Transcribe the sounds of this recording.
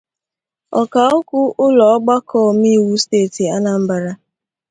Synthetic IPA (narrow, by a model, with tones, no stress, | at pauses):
ɔ˨ka˨ʊ˦kʊ˦ʔʊ˦lɔ˨ɔ˦ɡ͡ba˦kʰɔ˦˨m˦i˦˨wu˦steː˦˨ti˨a˦na˨m̩˦ba˨ɾa˦